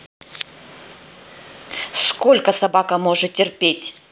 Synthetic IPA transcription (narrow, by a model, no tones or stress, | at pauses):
sko̞lʲkəsɐbakəmo̞ʐɨt̪̚tʲːɪrpʲetʲ